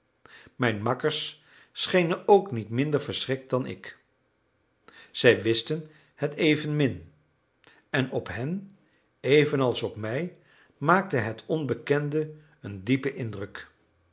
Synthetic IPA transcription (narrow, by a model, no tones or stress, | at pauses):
mɛjnmɑkəɹsː | χejnənowknitmɪndəɹvəɹsrɪk̚t̚dɑnɪ̰k | z̥ɛjʋɪstən | hɛtejvənmɪn | ɛnɔpɦɛn | ejvənɑlˠsɔpmɛj | maːk̚təɦɛtʰɔnbəkɛndə | əndipəʔɪndrək